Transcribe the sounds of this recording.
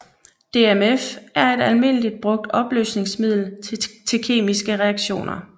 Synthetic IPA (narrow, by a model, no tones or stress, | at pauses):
d̥e̝emefæɐe̝d̥ælme̝n̰lid̥̚b̥ʁɔ̽ɡ̥̚d̥ɒ̽b̥lø̰ːsne̝ŋsmið̞̰ˠl̩t͡sʰe̝lkʰe̝̰ːmisɡ̥əʁɛɑ̈ɡ̥ɕo̝̰ːnɐ